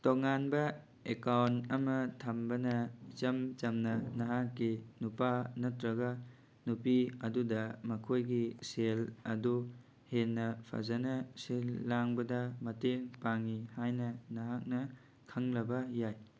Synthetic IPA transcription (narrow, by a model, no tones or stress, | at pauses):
toŋanbɐ | ekawntɐmɐtʰɐmbɐnɐt͡ʃɐmt͡ʃɐmnɐnɐɦakːinupanɐtɾɐɡɐ | nupiɐdudɐmɐkʰojɡiselɐdu | henːɐpʰɐ̰zɐnɐsilːaŋbɐdɐmɐteŋpaŋihajnɐnɐɦak̚nɐ | kʰɐŋlɐbɐjaj